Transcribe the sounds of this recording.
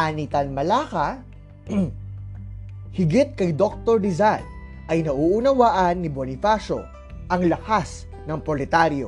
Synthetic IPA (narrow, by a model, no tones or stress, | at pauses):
anit̪ɐnmɐlaːkɐ | hɪɡɪt̪̚kɐjd̪ok̚t̪oɹd̪ɪzan | ʔɐjnɐʔuʔʊnɐwaːʔɐnːibonɪfaʃo̞̰ | ʔɐŋlɐhas | nɐŋpɾolɛt̪aɾjo̞̰